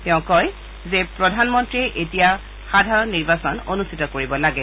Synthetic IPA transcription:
tɛʊ̃kɔj | zepɹɔdʱanmɔntɹiɛʔetija | xadʱaɹɔnːiɹbasɔnonustʰitɔkoɹibɔlaɡɛ

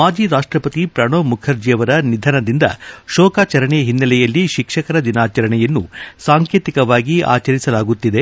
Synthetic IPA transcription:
maːd͡ʒiɾaːʂʈɾɐpɐt̪ipɾɐɳoːmukʰɐɾd͡ʒijɐʋɐɾɐnid̪ʱɐnɐd̪ind̪ɐ̰ʃɔːkaːt͡ʃɐɾɐɳɛɦinːɐlɛjɐlːiʃikʂɐkɐɾɐd̪inaːt͡ʃɐɾɐɳɛjɐnːusaːŋkjeːt̪ikɐʋaːɡia̰ːt͡ʃɐɾisɐlaːɡut̪ːid̪e̞

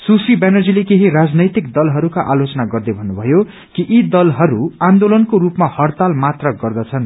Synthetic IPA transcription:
susibanʌrd͡zilekeɦiɾad͡znʌjt̪ik̚d̪ʌlɦʌɾukaʔalot͡sʌnaɡʌrd̪ʌbʱʌnːubʱʌjo | kiʔid̪ʌlɦʌɾuand̪olʌnkoɾupmahʌrt̪almat̪rʌɡʌrd̪ʌt͡sʰʌn

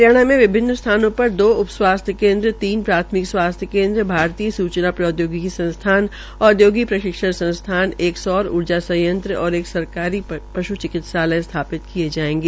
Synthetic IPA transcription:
jaːɽ̃amẽʋɪbʱɪnːst̪ʰaːnõpɐɾd̪oːʊpswaːst̪ʰjəkẽːnd̪ɾət̪iːnpɾaːt̪ʰmɪkswaːst̪ʰjəkẽːnd̪ɾəbʱaːɾt̪iːəsuːt͡ʃnapɾɔːd̪joːɡikisɐ̃nst̪ʰaːn | ɔːd̪joːɡipɾɐʃɪkʃəɾsɐ̃nst̪ʰaːneːksɔːɾʊ̰ɾd͡ʒasɐ̃jə̃nt̪ɾəɔːɾeːksɐɾkaːɾipɐʃut͡ʃɪkɪt̪ʃaːlə̃st̪ʰaːpɪt̪kied͡ʒaːẽːŋɡeː

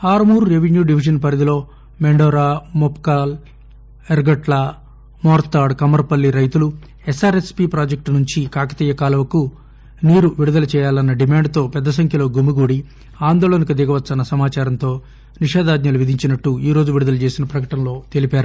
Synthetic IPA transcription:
haːɾmuːɾːeʋenjuːɖiʋiʃ̬ɐnpɐɾɐd̪ilo̞ː | meɳɖɔːɾaːmopkaːl | eɾɡɐʈla | mɔːɾt̪aːɖkɐmɐɾpɐlːiɾɐjt̪ulu | esaːɾespipɾaːd͡ʒek̚ʈnuɲt͡ʃikaːkɐ̥t̪iːjɐkaːlɐʋɐku | niːɾuʋiɽud̪ɐlɐt͡ʃɛːjaːlɐnːɐɖimaːɳɖt̪o̞ːpɛd̪ːɐs̬ɐŋkʰjɐlo̞ːɡumuɡuːɽi | aːnd̪oːɭonikɐd̪iɡɐʋɐt̪ːsɐnɐsɐmaːt͡ʃaːɾɐnt̪o̞ː | niʃɛːd̪aːd̪ɲɐluʋid̪ʱiɲt͡ʃinɐʈːuiːɾo̞ːd͡ʒuʋiɽud̪ɐlɐt͡ʃe̞ːsinɐpɾɐkɐʈɐnlo̞ːt̪e̞lipaːɾa

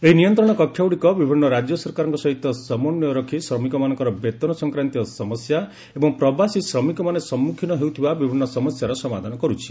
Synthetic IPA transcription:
eɦinijɔnt̪ɾɔɽ̃ɔkɔkʰːjawɽikɔbibʱinːɔɾad͡ʒjɔsɔɾkaɾɔŋkɔsɔɦit̪ɔsɔmɔnːjɔɾɔkʰisɾɔmikɔmanɔ̃ŋkɔɾɔbet̪ɔnɔsɔŋkɾant̪iɔsɔmɔsja | ebɔŋpɾɔbasisɾɔmikɔmanesɔmːukʰinɔɦeut̪ʰibabibʱinːɔsɔmɔsjaɾɔsɔmad̪ʱanɔkɔɾut͡ʃʰi̥

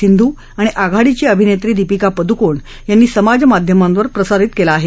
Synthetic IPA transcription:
ind̪ʱuː | aɽ̃iʔaɡʱaɽit͡ɕiəbʱinet̪ɾiːd̪ipikapəd̪ukoɳ | janːiːsəmad͡ʑmad̪ʱjəmãmʋəɾpɾəsaɾit̪kelaːɦe

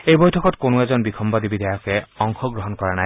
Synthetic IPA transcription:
ejbɔjtʰɔkɔtkonued͡ʒɔnbikʰɔmbad̪ibid̪ajɔkeɔŋkʰɔɡɾɔɦɔnkɔɹanaj

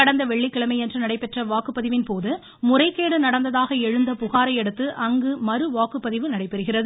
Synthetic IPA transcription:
ɐɽɐnd̪ɐʋɛɭːɪkːɪɭɐmɐɪɛndrɯnɐɽɐɪpɛʈrɐʋaːkɯpːɐðɪʋɪnpoːðɯ | mʊrɐɪkːeːɽɯnɐɽɐnd̪ɐðaːɣɐɛɻɯnd̪ɐpʊɣaːɾɐɪɛɽɯt̪ːɯʔɐŋɡɯmɐɾɯʋaːkɯpːɐðɪʋɯnɐɽɐɪpːɛɾɯɣɪrɐðɯ

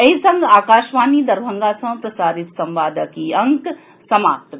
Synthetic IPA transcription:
ɐɦisɐ̃ŋɡaːkaːʃʋaːnid̪ɐɾbʱɐŋɡasɐ̃pɾɐsaːɾit̪sɐmʋaːd̪ʱəkiɐŋk | sɐmaːp̚t̪

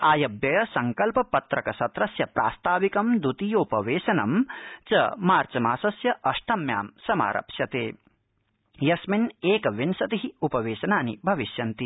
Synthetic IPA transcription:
aːjɐbjɐjɐsɐŋkɐlpɐpɐt̪ɾɐkɐsɐt̪ɾɐsjɐpɾʔa̰ːst̪ʰaːʋikɐmd̪ut̪ijoːpɐʋeːʃɐnɐ̰mt͡ʃɐ̰maːɾt͡ʃɐmaːsɐsjɐʔɐʂʈʰɐmja̰ːmsɐma̰ːɾʔɐ̰pʃjɐt̪eː | jɐsmineːkɐʋinsɐt̪iɦiupɐʋeːʃɐnaːnḭbʱɐʋiʃjɐnt̪i

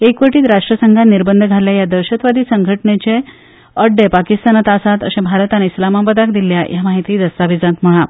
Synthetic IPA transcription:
ekʋəʈiːt̪ɾaʂʈɾəsəŋɡʱaniɾbənd̪ʱəɡʱaljajad̪əɾɕət̪ʋad̪iːsəŋɡʱəʈɳet͡ɕe | əɖepakist̪anat̪asat̪ə̰sẽbʱaɾt̪aneislamabəd̪akd̪iljajamaɦit̪iːd̪əst̪aʋid͡zãt̪m̤əɭ̃a

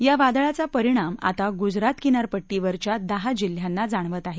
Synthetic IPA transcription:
jaʋad̪ɭat͡sapəɾiɽ̃ama̰t̪aɡud͡zɾat̪kinaɾpəʈːiʋəɾt͡ɕjad̪əɦad͡ʑil̤janːad͡zaɳ̃ʋət̪aɦe

